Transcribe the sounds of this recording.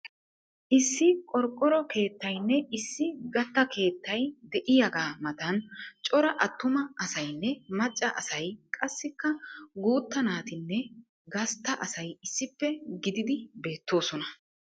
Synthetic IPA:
ʔɪsːɪkʼɔɾkʼːɔɾɔke̞ːt̪ːɐjnːɛɪsːɪɡɐt̪ːɐkʰe̞ːt̪ːɐjd̪ɛʔɪjɐɡaːmɐt̪ɐnt͡ʃʼɔɾɐʔɐt̪ːʊmɐɐsɐjnːɛmɐt͡ʃʼːɐʔɐsɐjkʼɐsːɪkːɐɡuːt̪ːɐnaːt̪ɪnːɛ | ɡɐst̪ːɐʔɐsɐjɪsːɪpːɛɡɪd̪ɪd̪ɪbe̞ːt̪ːo̞ːsɔnɐ

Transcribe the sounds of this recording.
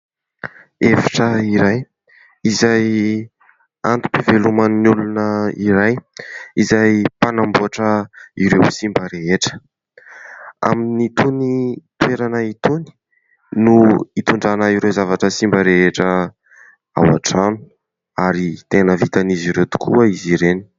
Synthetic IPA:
efi̥ʈ͡ʂəiɾaj | izaj | ant̪u̥pivelumannulunəiɾajizajpanambuaʈ͡ʂəiɾewsimbəɾeɦeʈ͡ʂə̥ | a̰minit̪unit̪ueɾanəit̪uni̥ | nuit̪uɳɖ͡ʐanəiɾewzavaʈ͡ʂəsimbəɾeɦeʈ͡ʂə | a̰wa̰ʈ͡ʂanu̥ | aɾit̪enəvit̪aniziɾet̪u̥kʰuəiziɾeni̥

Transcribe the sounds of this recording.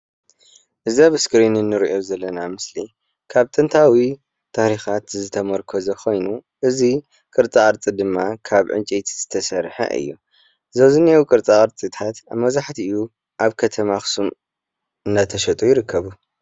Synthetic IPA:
ʔɨzaβɨskɾinɨnːɨɾiʔozɐlːɐnamɨsli | kʰaβt̪ʼɨnt̪ʰawi | t̪ʰahɾixat̪zɨt̪ʰɐmɐɾkʰozɐxo̞jnuʔɨzi | kʼɨɾt͡sʼaʔʼɨɾt͡sʼid̪ɨmːakʰaβʕɨ̰nt͡ʃʼet̪ʰiz̥ɨt̪ʰɐsɐɾħɐ̰ʔɨ̰jːṵ | zɐwzɨnewkʼɨɾt͡sʼaʔʼɨɾt͡sʼit̪ʰat̪aβmɐzaħt̪ʰiɨju | ʔaβkʰɐt̪ʰɐmaxsum | ɨnːat̪ʰɐʃɐt̪ʼujɪɾɨkʰːɐβu

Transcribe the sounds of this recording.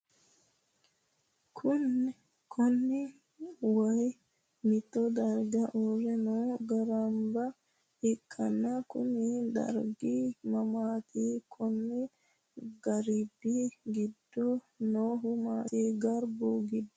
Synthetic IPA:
kʰʊn | kʰɔnːɪ | wɐj | mɪt̪ːɔd̪ɐɾɡɐʔɔrɛnoːɡɐɾɐmbɐ | ɪkʼːɐnːɐkʊ̰nɪd̪ɐ̰ɾɡimɐmaːt̪ʰiːkʰʊnːɪ | ɡɐɾɪbːiɡɪd̪ːɔ | noːɦʊmaːt̪iːɡɐɾbuːɡɪd̪ːɔ

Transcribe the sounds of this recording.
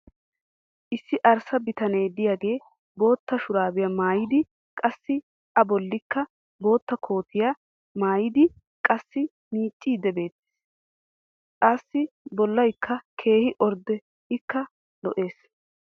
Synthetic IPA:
ʔɪsːɪʔɐɾsɐbɪt̪ɐneːd̪ɪjaːɡe̞ː | bo̞ːt̪ːɐʃʊɾaːbɪjɐmaːjɪd̪ɪ | kʼɐsːɪ | ʔɐbɔlːɪkːɐ | bo̞ːt̪ːɐkʰo̞ːt̪ɪja | maːjɪd̪ɪ | kʼɐsːɪ | miːt͡ʃʼːiːd̪ɛbe̞ːt̪ːɪ̥ | kʼasːɪbɔlːɐjkːɐkʰe̞ːhɪʔɔɾd̪ɛ | ɪkːɐ | lɔʔe̞ːs

